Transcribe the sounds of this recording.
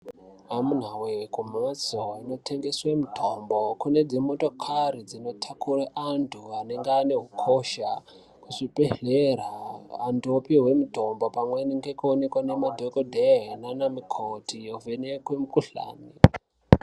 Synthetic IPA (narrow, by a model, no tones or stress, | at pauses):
amun̤awekumat͡soino̞tʰeŋɡeswemutʰombokune̞d͡zimoto̞kʰarid͡zino̞tʰakʰuraʔantʰuaneŋɡeane̞ɦukʰo̞ʃa | kuʂipeɮeraːndopiwe̞mutombo̞pamweniŋɡekuonekwane̞madʱokodʱeɦenanamikʰotʰijovenekwemukuɬa̰ːni